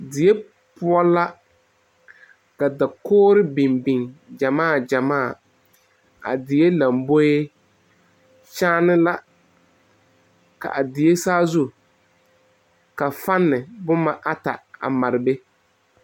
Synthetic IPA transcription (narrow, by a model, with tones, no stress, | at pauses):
dɪ˨e˦ | pʊ˦ɔ˦la˦ | ka˨da˨koː˦ɾɪ˦bɪ˨mbɪ˨ŋd͡ʒa˨maː˦˨d͡ʒa˨maː˦˨ | a̰˨dɪ˨je˦la˨mbo˦e˦ | t͡ʃaː˦nɪ˦la˦ | ka̰˨ʔa˨dɪ˨je˦saː˦zʊ˦˨ | ka˨fa˦nːɪ˨bʊ˦ma˦ʔa˦ta̰˨a̰˨ma˨ɾɪ˨be˦